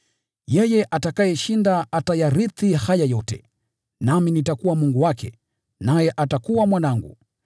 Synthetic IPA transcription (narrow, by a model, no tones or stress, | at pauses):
jɛjɛʔatakajɛʃindaatajaɾiθihajajɔtɛ̰ | naminitakuwamuŋɡuwakɛ̰ | najɛʔatakuwamwanaŋɡṵ